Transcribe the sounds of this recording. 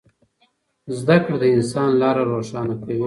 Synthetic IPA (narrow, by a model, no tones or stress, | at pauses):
zd̪akɽd̪əɪnsɑnlɑɾaɾoʂɑnakawi